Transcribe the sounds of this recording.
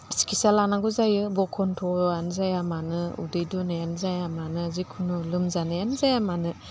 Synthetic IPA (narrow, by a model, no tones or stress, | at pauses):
si̥kʰisalanaɡuzajɯbɔkʰɔntʰɔanzajamanɯṵdɯjdɔnajanzajamanɯazikʰunulɯmzanajanzajamanɯ